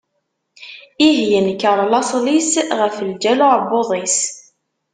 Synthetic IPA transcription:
iɦjənkːəɾˤlɑsˤlisʁəfəld͡ʒælʊʕboðˤis

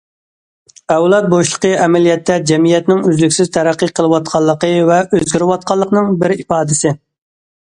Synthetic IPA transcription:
ɛwlˠɑt̪̚boʃlˠə̥qʰəɛmɛlijɛt̪ʰːɛd͡ʒɛmijɛt̪nɪŋyzlykʲsɪz̥t̪ʰæɾæqːiqʰəlˠɨwɑt̪̚qʰɑlˠːəqəvɛʔøzɡʲɪɾɪwɑt̪̚qʰɑlˠːəqnɨŋbɪɾipɑːd̪ɪsɪ

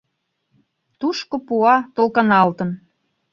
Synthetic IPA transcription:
t̪uʃkopuɑt̪olkɤ̆nɑlt̪ə̆n

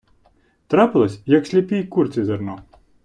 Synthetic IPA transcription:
t̪ɾapɪlˠɔsʲjɐksʲlʲipʲijkurt͡sʲizʲernɔ

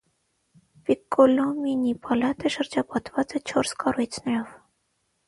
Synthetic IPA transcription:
pikːɔlɔminipʰɑlɑt̪əʃəɾd͡ʒɑpɑt̪vɑt͡sɛt͡ʃʰɔɾskɑrujt͡sʰnɛɾɔv

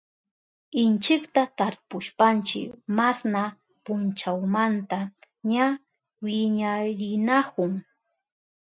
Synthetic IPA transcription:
ɪnt͡ʃɪkt̪at̪aɾpʊʃpant͡ʃɪ̰kmasna | pʊnt͡ʃawmant̪a | ɲa | wɪɲaɾɪnakʊŋ

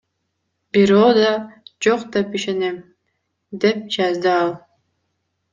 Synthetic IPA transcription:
biɾoːd̪ɑd͡ʒoqd̪epiʃenem | d̪ep̚d͡ʒɑzd̪ɯɑlˠ

